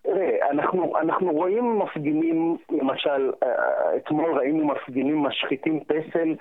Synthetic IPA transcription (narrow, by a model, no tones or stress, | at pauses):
ʁea̰naχnuʔa̰naχnuʁo̞ʔimːafɡinimlemaʃalḛt̪mo̞lʁainumafɡimimːaʃχit̪impesel